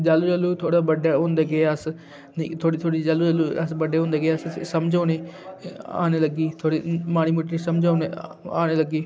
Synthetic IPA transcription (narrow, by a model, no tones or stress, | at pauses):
d͡ʒaːlːuːd͡ʒəlːuːt̪ʰoːɽaːbəɖaːɦõːnd̪eːɡeːəs | n̰ːt̪ʰoːɽiːt̪ʰoːɽid͡ʒalːuːd͡ʒəluːəsbəɖeːõːnd̪eːɡeːəssəmd͡ʒaːneː | a̰ːneːləɡiːt̪ʰoːɽeːmaːñiːmuːʈɾisəmd͡ʒaːoneːa̰ːneːləɡiː